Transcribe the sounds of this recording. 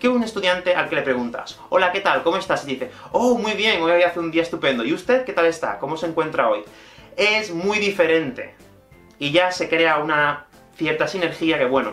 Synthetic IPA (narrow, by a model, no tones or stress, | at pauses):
keune̞st̪uðjant̪e̞ʔa̰lke̞le̞pɾe̞ɣunt̪a̰s | o̞lake̞t̪alko̞moe̞st̪asiðiθe̞omwujβ̞je̞ŋo̞jaβjaθeund̪iae̞st̪upẽ̞nd̪oiust̪e̞ðke̞t̪ale̞st̪a̰ko̞mo̞se̞ŋkwe̞nt̪ɾao̞j | e̞zmwujðife̞ɾẽ̞nt̪e̞̰ | iʝase̞kɾe̞auna | θje̞ɾt̪asine̞ɾxiake̞βwe̞no̰